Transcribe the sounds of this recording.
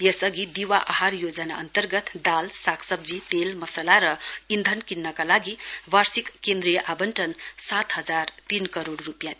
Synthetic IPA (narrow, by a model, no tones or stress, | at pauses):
jʌsʌɡid̪iwaʔaɦarjod͡zʌnaʌnt̪ʌrɡʌt̪d̪alsakʰsʌb̚d͡zit̪elmʌsalaɾʌind̪ʱʌnkinːʌkalaɡibarsikːend̪ɾijʌʔabʌnʈʌnsat̪ɦʌd͡zart̪inkʌɾoɽrupjã